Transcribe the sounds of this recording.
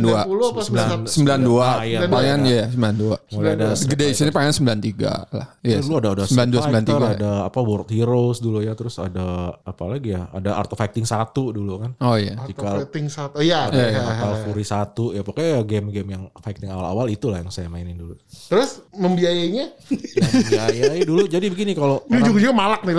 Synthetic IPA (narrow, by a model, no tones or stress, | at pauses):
nduaulusəmbilansəmmbilanduajapajanjajasəmbilanduamulaadaɡədesənipaansəmbilant̪iɡa̰la̰hjɛuadaadasəmbilanduasəmilant̪iɡadaːpawɔrt̪̚hiɾosdulujat̪əɾʊsadaapalaɡijaa̰daʔa̰rt̪efak̚t̪ɪŋsat̪udulukanojad͡ʒikalt̪ɪŋsajaaaakalfuɾisat̪ujapakaɡɛmɡɛmjaŋfak̚t̪ɪŋawala̰walit̪ulahjaŋsajamaɪnɪndulṵt̪əɾʊsməmbiajaɲajabiajajadulud͡ʒadibəɡinikalod͡ʒuɡad͡ʒuɡamalak̚nil